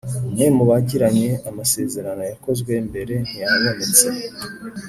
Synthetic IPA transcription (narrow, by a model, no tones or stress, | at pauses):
memuβaɟiɾaɲe̞amase̞ːze̞ɾano̞jako̞zɡwe̞mbe̞ɾe̞n̥ijaβomet͡se